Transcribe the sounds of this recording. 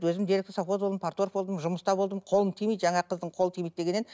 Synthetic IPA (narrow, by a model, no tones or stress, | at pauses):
t̪wɵzɪmd̪eɾek̪̚ɪsɑpot̪bold̪əmpʰaɾt̪oɾfbo̞lˠd̪əmʒʊməst̪ɑbolˠd̪əmqʰo̞lˠəɴt̪ʰijmijt̪ʒɑɴɑqʰəzd̪əɴqʰo̞lˠət̪ʰijmijt̪d̪e̞ɡʲe̞nːe